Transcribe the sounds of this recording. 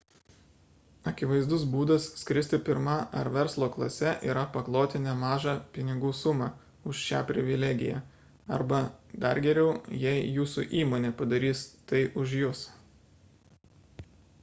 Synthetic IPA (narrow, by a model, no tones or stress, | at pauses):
ɐkʲɪʋɐɪzd̪ʊsbuːd̪ɐsːʲkɾʲɪsʲt̪ʲɪpʲɪɾmɐʔɐɾʋʲɛɾslˠoːklˠɐsʲɛʔiːɾɐpɐklˠoːt̪ʲɪnʲɛmɑːʒɑpʲɪnʲɪɡuːsʊmɑ | ʊʃʃʲæːpʲɾʲɪʋʲɪlʲæɡʲɪ̰jæ̰ː | ɐ̰ɾbɐd̪ɐɾɡʲɛɾʲɛʊjɛɪjuːsṵʔiːmoːnʲeːpɐd̪ɐɾʲiːst̪ɐɪʔʊʃjʊs